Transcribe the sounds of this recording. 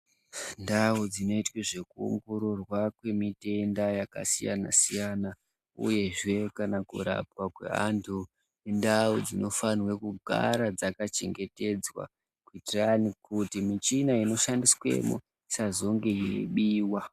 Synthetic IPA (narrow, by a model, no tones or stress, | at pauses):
ndaud͡zino̞itweʐe̞kuṵŋɡoɾorwakwe̞mite̞ndajaka̰sija̰na̰sijana | ṵje̞ʐe̞kanakṵɾa̰p̚wakwe̞̰antʰu | nendaud͡zino̞fanwe̞kuɡʱa̰ɾad͡zakat͡ʃe̞ŋɡe̞te̞d͡zwa̰ | kuitiranikutimit͡ʃinaino̞ʃandiswe̞̰mṵ | sazo̞ŋɡe̞jiḛɓiːwa